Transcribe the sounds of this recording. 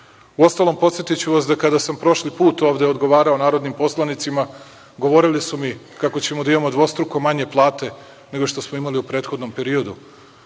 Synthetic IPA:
uo̞st̪alˠo̞mpo̞t̪sjet̪it͡ɕuʋasd̪akad̪asampɾo̞ʃlipuːt̪o̞ːʋd̪eod̪ɡo̞ʋaːɾao̞naːɾo̞d̪nimpo̞slˠanit̪sima | ɡo̞ʋo̞ɾilisumi | kako̞t͡ɕe̞mod̪aimamo̞d̪ʋo̞st̪ɾukomaɲe̞plˠaːt̪e̞ | ne̞ɡo̞ʃt̪o̞smoimaliupɾe̞ːt̪xo̞d̪no̞mpe̞ɾio̞d̪u

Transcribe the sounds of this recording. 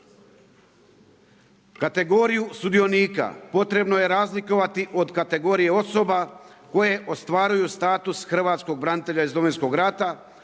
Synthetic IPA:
kat̪e̞ɡo̞ɾijusud̪io̞niːka̰po̞t̪ɾe̞bnoje̞ɾaːzliko̞ʋat̪iʔo̞d̪kat̪e̞ɡo̞ːɾije̞o̞so̞bako̞je̞ʔo̞st̪ʋaːɾujust̪aːt̪usxr̩ʋaːt̪sko̞ɡ̚bɾanit̪e̞ʎaizd̪oʋinsko̞ɡɾat̪a

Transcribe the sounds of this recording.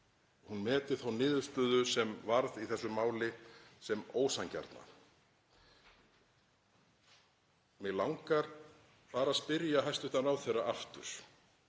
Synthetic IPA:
hunmɛːt̪ɪ̥θawnɪːðʏ̥st̪œːðʏsɛmvaɾðiθɛsːʏmaːwlɪsɛmoːwsaŋca̰ɾt̪na̰ | mɛɣlawŋkaɾ̥ | paːɾaðspɪɾjaɦajst̪ʏht̪anawθejrːaʔaft̪ʏ̰ɾ̥

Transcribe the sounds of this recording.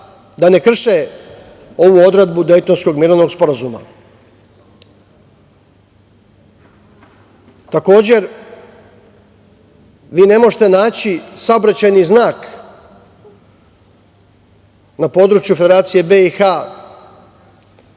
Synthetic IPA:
d̪ane̞kr̩ʃe | o̞ʋuo̞d̪ɾe̞d̪̚bud̪e̞jt̪o̞nsko̞ɡmiːɾoʋno̞ɡspo̞ɾazuma̰ | t̪ako̞ːd͡ʑe̞ɾ | ʋiːne̞mo̞ʒet̪e̞naːt͡ɕisaobɾat͡ɕajniznaːk | napo̞ːd̪ɾut͡ʃjufe̞d̪eɾaːt̪sije̞beixa

